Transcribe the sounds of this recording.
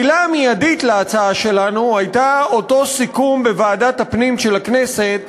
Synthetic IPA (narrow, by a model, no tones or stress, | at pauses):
ilamijaditleat͡saaʃe̞lanuajtao̞to̞sikumbe̞vaːdathapnimʃe̞laknese̞t̪̚